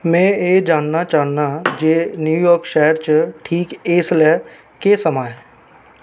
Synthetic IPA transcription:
mɛ̃ːeːd͡ʒaːnːat͡ʃaːnad͡ʒeːnjuːjɔːɾkʃɛɦəɾt͡ʃəʈʰiːkeːslɛ | kesəmaːɦɛ

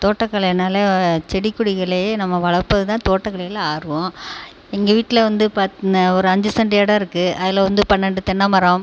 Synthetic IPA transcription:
t̪oːʈːɐkːɐɭɐnaːlɐt͡ʃɛɽɪkːʊɽɪɣɐɭenɐmːɐʋɐɭɐɾpːɐðɯt̪ãːt̪oːʈːɐkːɐɭɐlɐaːɾɯʋõ | ɛŋɡɐʋiːʈːɪlɐʋɐnd̪ɯpɐɔɾɯɐɲd͡ʒɯsɐɳɖɪjɐːɽɐɪɾɯkːɯɐðɪlɐʋɐnd̪ɯpɐɳːɐɳɖɯt̪ɛɳːɐmɐɾɐ̃m

